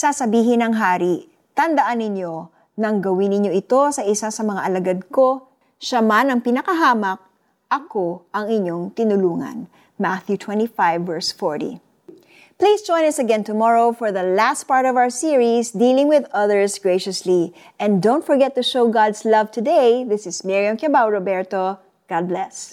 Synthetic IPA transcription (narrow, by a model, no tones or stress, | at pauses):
sasɐbiːɦɪnɐŋɦaːɾi | t̪ɐnd̪ɐʔanːɪɲo̞ | nɐŋɡɐwinɪɲjo̞ʔɪt̪o̞sɐʔɪsasɐmɐŋaʔɐlɐɡad̪̚ko̞ | ʃamanɐŋpɪnɐkɐɦaːmɐk̚ | ʔɐko̞ʔɐŋɪɲːo̞ŋt̪ɪnʊluːŋɐ̰n | maθjut̪ʰwɛ̃nt̪ifajvːɛɹsfɔɹtḭ | plisd͡ʒɔ̃j̃nɐsɐɡɛ̃nt̪ʊmɔɹoʊfɔɹðɐlæst̚paɹt̪ɔvaʊwəɹsiɹisd̪ilɪ̃ŋwɪðʌðəɹsɡɹeɪʃɐsli | ʔɛ̃nd̪õʊ̃nt̪fɔɹɡɛt̪ːʊʃowɡɑd̪slɐvt̪ʊd̪ejðɪsɪsmɪɹiɐmkɛbawɹobɛɹt̪o | ɡ̥ɑd̪̚blɛs